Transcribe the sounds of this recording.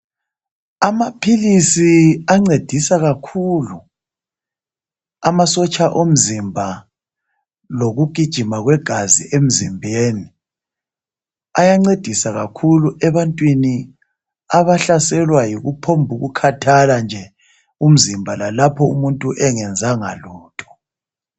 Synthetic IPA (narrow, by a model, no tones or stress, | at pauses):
amapʰilisiaŋ͡ǀed̥ʱisaɣakʰulu | amasɔt͡ʃʼaʔom̩zimbʱa | loɣuɡ̥ʱid̥ʒ̥ʱimaɣwɛɡ̥ʱazḭʔem̩zimbʱeːni | ajaŋ͡ǀed̥ʱisaɣakʰuluʔɛβantʼwini | aβaɬasɛlwajiɣupʰombʱuɣukʰatʰaland͡ʒʱɛ | um̩zimbʱalalapʰɔumuntʼuʔɛŋɛnd͡zʱaŋa̰luːtʼʰɔ̥